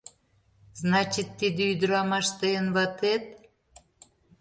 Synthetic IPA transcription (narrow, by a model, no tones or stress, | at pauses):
znɑt͡ɕit̪ːid̪ĕyd̪əɾɑmɑʃt̪eənβɑt̪et̪̚